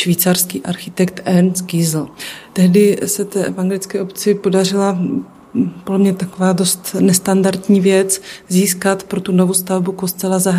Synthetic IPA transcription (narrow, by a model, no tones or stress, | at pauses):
ʃviːt͡sarskiːʔaɾxɪt̪ɛkt̪ʔɛnsɡizl̩t̪ɛɦdɪsɛt̪ɛːɛvaŋɡɛlɪt͡skɛːʔopt͡sɪpo̞dar̝ɪla | podlɛmɲɛt̪akovaːdo̞st̪nɛst̪andaɾt̪ɲiːvjɛt͡sziːskat̪pɾo̞t̪uno̞vust̪avbuko̞st̪ɛlazaɦ